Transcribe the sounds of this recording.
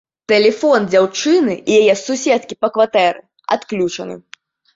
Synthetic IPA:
t̪ɛlʲɛfɔnd͡zʲawt͡ʂɨnɨijajɛsusʲɛt̪̚kʲipɐkvat̪ɛɾɨ̰ | a̰t̪klʲut͡ʂɐ̰nɨ̰

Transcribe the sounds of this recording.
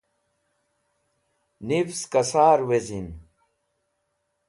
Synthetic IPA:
nifskɐsaːɾwezin

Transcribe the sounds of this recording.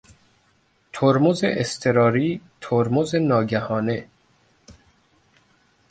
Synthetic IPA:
t̪ʰoɾmozḛʔest̪ʰeɾɒːɾiːt̪ʰoɾmozenɒːɟæhɒːne

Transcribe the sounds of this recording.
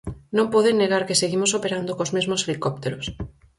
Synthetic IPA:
nõmpɔðenːeɣaɾkeseɣimosopeɾand̪okozmezmoselikɔp̚t̪eɾos

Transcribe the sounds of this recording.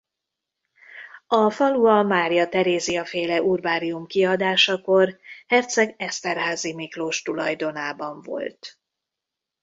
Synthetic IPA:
ɒfɒluɒmaːɾijɒt̪ɛɾeːziɒfeːlɛʔurbaːɾiumkiɒd̪aːʃɒko̞rhɛrt̪sɛɡɛst̪ɛrɦaːzimikloːʃt̪ulɒjd̪o̞naːbɒɱvo̞̰lt̪

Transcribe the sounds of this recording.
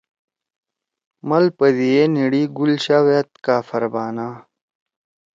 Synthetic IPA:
mɐlpɐd̪ijeniɽiːɡulɕawet̪kaːfɐɾbaːnaː

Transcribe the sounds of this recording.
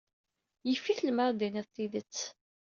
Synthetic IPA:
jəfːiθlməɾˤd̪inæðθiðət͡sː

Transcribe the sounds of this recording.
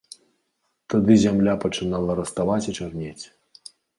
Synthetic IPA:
t̪ad̪ɨzʲamlʲapɐt͡ʂɨnalˠɐɾɐst̪avat͡sʲit͡ʂarnʲet͡sʲ

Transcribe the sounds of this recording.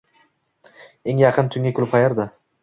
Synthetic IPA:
eŋjɑqʰɨnt̪ʰʊŋʲakʰʲʊlˠɪpχʰɑjaɾd̪a

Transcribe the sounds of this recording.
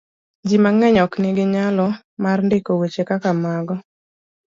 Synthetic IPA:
d͡ʒimaŋɛɲɔknɪɡɪɲalɔ | marndekowet͡ʃekakamaɡɔ

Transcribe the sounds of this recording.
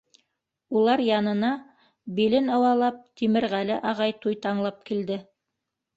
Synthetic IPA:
ulˠɑɾjɑnɤ̆nɑ | bilɘnɤ̆wɑlˠɑp̚t̪imɘ̆ɾʁælɘʔɑʁɑjt̪ujt̪ɑɴlˠɑp̚kild̪ɘ

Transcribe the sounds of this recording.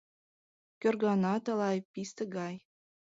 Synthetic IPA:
kʲørɡɑnɑt̪ɤ̆lˠɑjpist̪ə̆ɡɑj

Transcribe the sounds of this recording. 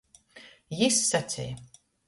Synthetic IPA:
jisːat̪sʲḭj

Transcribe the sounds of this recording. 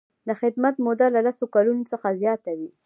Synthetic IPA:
d̪əxɪd̪mat̪mʊd̪alalasokalunosəxazjɑt̪awi

